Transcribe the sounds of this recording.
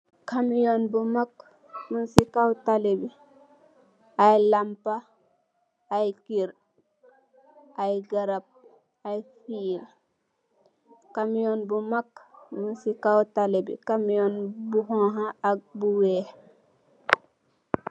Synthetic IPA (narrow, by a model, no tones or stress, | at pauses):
kamijonbumak | munsikawtalebi | ajlampa | jkiɾ | ʔajɡɐɾap̚ | ajfiːl | kamijonbumakmunsikawtalebḭkamijɔnbuɦɔ̃ɦaak̚buwɛː